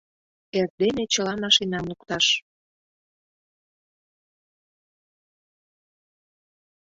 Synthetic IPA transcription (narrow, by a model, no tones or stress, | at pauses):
erd̪enet͡ɕə̆lɑmɑʃinɑmlukt̪ɑʃ